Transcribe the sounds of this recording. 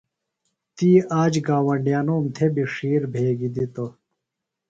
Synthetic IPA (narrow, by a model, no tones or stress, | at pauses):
t̪iːaːd͡ʑɡaːwɐɳɖjaːnoːmt̪ʰebiʂiːɾbʱeːɡid̪it̪o